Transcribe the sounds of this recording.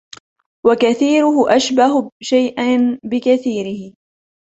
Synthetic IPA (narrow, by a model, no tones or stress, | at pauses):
wakaθiːɾʊhʊʔaʃbaɦʊʃajʔanbɪkaθiːɾɪhɪ